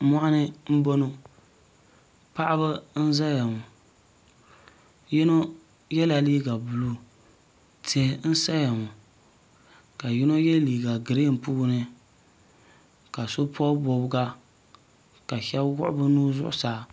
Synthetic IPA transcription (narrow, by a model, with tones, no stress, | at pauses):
mɔ˦ʔa˦nɨ˦m̩˦bo˦no˦ | pa˦ʔa˦bɨ˦n̩˦za˦ja˨ŋʊ˨ | ji˦no˦ | jɛ˦la˨liː˦ɡa˨bu˨lu˦ | te˦n̩˦sa˦ja˨ŋu˨ | ka˨ji˦no˦jɛ˦liː˨ɡa˨ɡɨ˨ɾe˦˨m̩˨puː˦ɡnɨ˦ | ka˨so˦pʰɔ˦bo˨bɡa˦ | ka˨ʃɛ˦bwʊ̰˦ʔʊ̰˦bɨ˦nuː˦zʊ̰˦ʔʊ̰˨saː˨